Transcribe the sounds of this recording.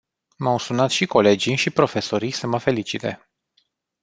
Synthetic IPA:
mawsunat̪ʃiko̞le̞d͡ʒijʃipɾo̞fe̞soɾijsəməfe̞lit͡ʃit̪e̞̰

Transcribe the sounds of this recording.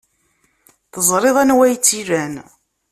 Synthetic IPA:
θəzˤɾˤeðˤænwæjt͡sːiɾæn

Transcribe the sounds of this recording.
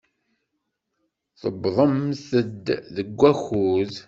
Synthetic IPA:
θəbðˤəmθəd̪ðəɡʷːæxuð

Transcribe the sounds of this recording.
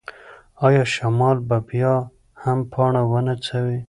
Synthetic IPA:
ɑjɑʃamɑlbabjɑ | hampʰɑɳawənat͡sʰawe

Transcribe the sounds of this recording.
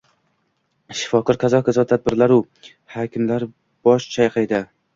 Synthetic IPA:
ʃɪ̥fɒqʊɾqʰɑzɒqʰazɒt̪ʰad̪̚bɪɾlaɾu | hakʲʰɪmlaɾ | b̥ɒʃt͡ʃʰajqʰajd̪a

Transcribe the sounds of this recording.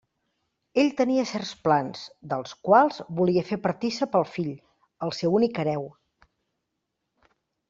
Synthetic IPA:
eʎt̪əniəsɛrsplanz̥d̪əlˠskwalˠzβuliəfepəɾt̪isəpəlˠfiʎ | əlˠsewunikəɾɛw

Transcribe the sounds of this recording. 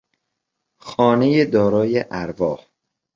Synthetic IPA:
xɒːne̞jed̪ɒːɾɒːjeʔæɾvɒːh

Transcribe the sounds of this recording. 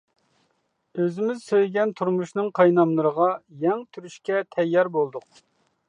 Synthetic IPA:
øzɪmɪzsøjɡʲɛnt̪ʰuɾmuʃnɨŋqʰɑjnɑmlˠəɾəʁɑjɛŋt̪ʰyɾyʃkʲɛt̪ʰɛjːɑɾbolˠd̪ʊq

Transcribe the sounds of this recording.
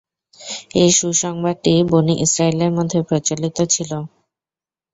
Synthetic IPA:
ejʃuʃɔŋbaʈiboniʔisɾaileɾmod̪ʱːepɾot͡ɕolit̪ot͡ɕʰilo

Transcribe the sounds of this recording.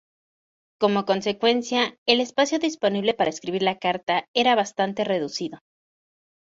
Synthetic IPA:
ko̞mo̞ko̞nse̞kwe̞nsjae̞le̞spasjo̞ðispo̞niβle̞paɾaeskɾiβ̞iɾlakaɾt̪ae̞ɾaβ̞ast̪ant̪e̞re̞ðusiðo̞

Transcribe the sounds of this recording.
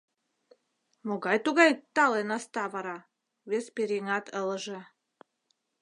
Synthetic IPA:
moɣɑjt̪uɣɑjt̪ɑlenɑst̪ɑvɑɾɑ | βespeɾiŋɑt̪ʰələʒĕ

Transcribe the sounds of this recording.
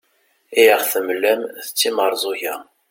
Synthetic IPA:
ijəʁθəmlːæmθət͡sːiməɾˤzˤoçæ

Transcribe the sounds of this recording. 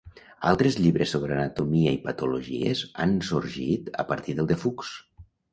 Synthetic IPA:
alˠt̪ɾezʎiβɾesoβɾəanət̪umiəipət̪uluʒḭḛza̰nsuɾʒit̪ə̰pəɾt̪iðəlˠd̪efuks

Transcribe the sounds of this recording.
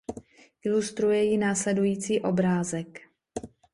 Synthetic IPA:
ʔɪlust̪ɾujɛjɪnaːslɛdujiːt͡siːʔo̞bɾaːzɛk

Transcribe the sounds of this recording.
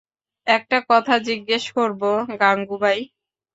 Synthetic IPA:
ɛk̚ʈakɔt̪ʰad͡ʑiɡːeʃkoɾboɡaŋɡubaj

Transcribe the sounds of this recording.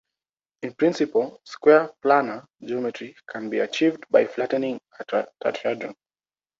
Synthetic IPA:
ĩnpɹĩnsipəlˠskwɛɹplanə˞ | d͡ʒiɔmɛtɹikʰãnbiat͡ʃivdbajflatənĩŋ | aa̰tɛdɹə̰̃n

